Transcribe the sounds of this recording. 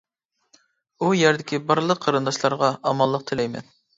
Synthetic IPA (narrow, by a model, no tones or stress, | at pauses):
ujæɾd̪ɪkʲibɑɾlˠəqʰːɑɾɨnd̪ɑʃlˠɑɾʁɑɑmɑlˠːəq̚t̪ʰɪlɛjmɛ̰n